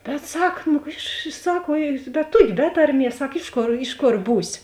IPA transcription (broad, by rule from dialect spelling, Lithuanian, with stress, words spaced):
bʲɛt ˈsɐk nʊ ɪʃ ˈsɐk ʋuɔ bʲɛt ˈtuɔkʲɪ ˈbʲɛ tɐrʲˌmʲiɛs ˈsɐk ˈɪʃ ˌkoːr ˈɪʃ ˌkoːr ˈbuːsʲɪ